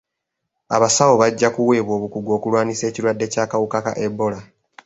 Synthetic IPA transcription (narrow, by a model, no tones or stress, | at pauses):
aβasawo̞βaɟːakuwe̞ːβwo̞ːβukuɡo̞ːkulwaːnise̞ːciɾwadːe̞caːkawukaka̰ʔebːo̞la